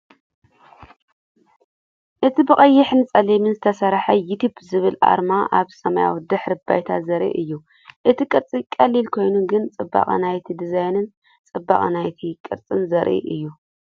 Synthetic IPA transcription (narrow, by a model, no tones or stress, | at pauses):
ʔɨt̪ʰibɨχʼɐjːɪħnɨt͡sʼɐlimɨnzɨt̪ʰɐsɐɾħajut̪ʰubzɨβɨlʔa̰ɾmaʔaβsɐmaja̰wd̪ɨħɾɨba̰jt̪ʰazɐɾʔḭʔɨjːu | ʔɨt̪ʰikʼɨɾt͡sʼikʼɐlːilkʰo̞jnuɡɨnt͡sʼɨbːa̰χʼnajt̪ʰid̪izajnɨn | t͡sʼɨbːa̰χʼnajt̪ʰikʼɨɾt͡sʼɨnzɐɾʔḭʔɨjːu